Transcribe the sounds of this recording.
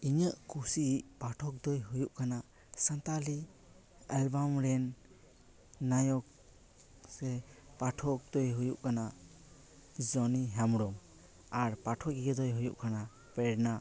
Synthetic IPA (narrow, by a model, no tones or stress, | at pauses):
iɲəʔkusiʔpaʈʰɔk̚d̪ɔjɦujuʔkʰana | sant̪ali | albamɾɛn | ajɔk̚ | sɛpaʈʰɔk̚d̪ɔjɦujuʔkana | zɔniɦamɾɔm | aɾpaʈʰɔɡiɡɛd̪ɔjɦujuʔkana | pɛɽna